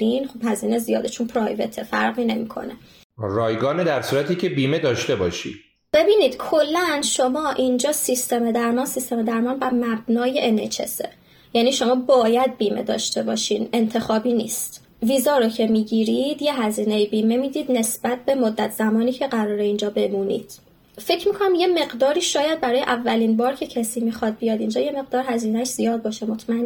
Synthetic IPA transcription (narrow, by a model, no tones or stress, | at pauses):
iːnχob̥hæziːnezijɒːd̪et͡ʃʰunpʰɾɒːjve̞̰t̪ʰefæ̰ɾɣiːne̞miːkʰo̞̰ne̞ | ɾɒːjɡɒːned̪æɾsuːɾæt̪ʰiːcʰe̞biːmed̪ɒːʃt̪e̞bɒːʃḭd̪̥ | b̥e̞biːniːd̪̥kʰo̞lːænʃo̞mɒːʔind͡ʒɒːsist̪e̞med̪æɾmɒːnsist̪e̞med̪æɾmɒːnbæmæb̥nɒːjeʔenet͡ʃʰḛsḛ | jæniːʃo̞mɒːbɒːjæd̪̚biːme̞̰d̪ɒ̰ːʃt̪e̞bɒːʃiːne̞nt̪ʰe̞xɒːbiːnḭːst̪ | viːzɒːɾocʰe̞miːɟiːɾid̪jeɦæziːnejibiːme̞miːd̪iːd̪ne̞sb̥æt̪̚ʰbe̞mod̪ːæt̪ʰz̥æmɒːniːcʰe̞ɢæɾɒːɾe̞ind͡ʒɒːbe̞muːnḭːd̪̥ | fe̞cʰmiːkʰo̞næmje̞me̞ɢd̪ɒːɾiːʃɒːjæd̪̚bæɾɒːjeʔævːæliːnbɒːɾcʰe̞cʰæsiːmixɒd̪̚bijɒːd̪ind͡ʒɒːje̞me̞ɣd̪ɒːɾhæziːnæʃz̥ijɒːd̪̚bɒːʃemo̞t̪ʰmæn